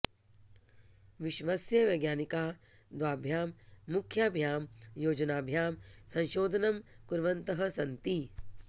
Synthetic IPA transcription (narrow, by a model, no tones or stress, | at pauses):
ʋɪʃʋasjɐʋɐjɡjaːnikaː | d̪ʋaːbʱjaːmːukʰjaːbʱjaːmjoːd͡ʒɐnaːbʱjaːmsɐ̃nʃoːd̪ʱɐnɐmkuɾʋɐnt̪ɐɦɐ̆sɐ̃nt̪i